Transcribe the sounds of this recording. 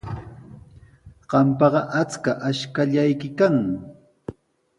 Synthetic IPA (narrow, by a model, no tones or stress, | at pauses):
ɢ̥ɑmpɑɢɑʔat͡skaʔaʃkaʎajkɪkaŋ